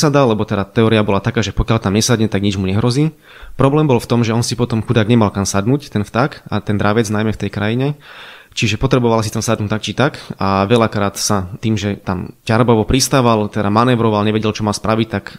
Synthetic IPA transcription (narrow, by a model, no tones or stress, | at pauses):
sad̪alɛbɔt̪ɛd̪at̪ɛɔːɾiabɔlat̪akaːʒɛpɔkjalt̪amɲɛsad̪ɲɛt̪aɡɲid͡ʒmuɲɛɦɾɔziː | pɾɔblɛːmbɔlft̪ɔmʒɛɔnsipɔt̪ɔmxud̪aːɡɲɛmalkansad̪nuːct̪ɛnft̪akat̪ɛnd̪ɾaʋɛd͡znajmɛft̪ɛjkɾajiɲɛt͡ʃiʒɛpɔt̪ɾɛbɔʋalasit̪amsad̪nuːt̪akt͡ʃit̪akaʋɛlakɾaːt̪sat̪iːmʒɛt̪amcaɾbɔʋɔpɾist̪aʋalt̪ɛd̪amanɛʋɾɔʋalɲɛʋɛɟɛlt͡ʃɔmalspɾʔaʋic̚t̪ak